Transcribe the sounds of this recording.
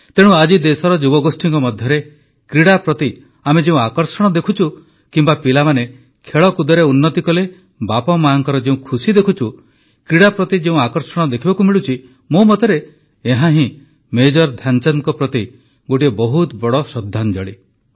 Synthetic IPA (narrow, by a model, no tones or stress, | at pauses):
t̪eɽ̃ũad͡ʒid̪esɔɾɔd͡ʒubɔɡosʈʰiŋkɔmɔd̪ʱjɔɾe | kɾiɽapɾɔt̪i | amed͡ʒeũakɔɾsɔɽ̃ɔd̪ekʰut͡ʃʰu | kimbapilamane | kʰeɭɔkud̪ɔɾeunːɔt̪ikɔle | bapɔmaaŋkɔɾɔd͡ʒeũkʰusid̪ekʰut͡ʃʰu | kɾiɽapɾɔt̪id͡ʒeũakɔɾsɔɽ̃ɔd̪ekʰibakumiɭut͡ʃʰi | momɔt̪ɔɾe | eɦãɦĩ | med͡ʒɔɾd̪ʱjant͡ʃankɔpɾɔt̪i | ɡoʈiebɔɦut̪bɔɽɔsɔd̪ʱːand͡ʒɔɭi